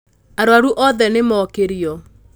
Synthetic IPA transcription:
aɾoaɾuʔɔðɛnemɔkeɾiɔ

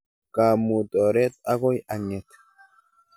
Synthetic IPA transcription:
ɡ̥aːmːut̪ʼoːɾɛt̪ʼɐɡɔjɐɲːɛt̪

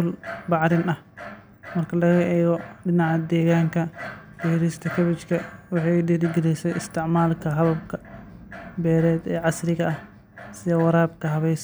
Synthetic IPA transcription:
ʊlbɑʕɾɪnɐh | mɐrkʰɐlɐɣɐʔɛːɣɔɖɪnɑʕad̪ɛːɣaːŋkʰɐfɛhɾɪst̪ʰɐkʰɐβɪt͡ʃkʰɐwɑħɑjɖiɾɪɡɛlɛjsɛjɪst̪ʰɪʕmaːlkʰɐɦɐβɐbkʰɐ̥ | bɛːɾɛːd̪ɛːʕɑsɾɪɣɐɐh | sɪðɐwɐɾaːb̚kʰɐɦɐβɛjs

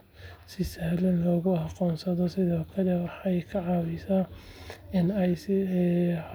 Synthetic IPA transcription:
sɪsɐhlɐnlɔːɣʊhɑqɔːnsɐðɔsɪðɔːkʰɐlɛwɑħɑjkʰɐʕɑːβɪsa | ɪnɛj

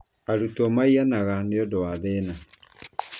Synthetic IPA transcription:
aɾutomaianaɣaneodoaðena

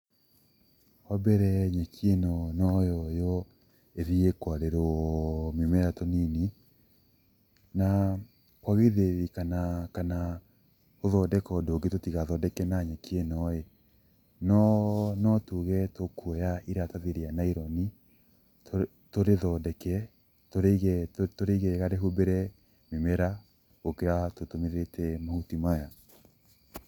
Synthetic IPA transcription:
ɔbɛɾɛɲɛkjenɔnɔjɔjɔ | eðiekwaɾeɾɔmimɛɾatonini | na | kwaɣeðeɾikanakana | oðɔdɛkɔdoɡetotiɣaðɔdɛkɛnaɲɛkienɔe | nɔnɔtuɣɛtokuɔjaʔiɾataðeɾeanaiɾɔni | toɾeðɔdɛkɛ | toɾeɣɛtoɾeɣɛɣaɾeɦubeɾɛ | memɛɾa | okeatotomeðetʰɛmahutimaja

